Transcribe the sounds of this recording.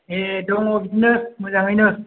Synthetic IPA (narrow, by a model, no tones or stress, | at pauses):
edɔŋobidinɯmɯzaŋɯjnɯ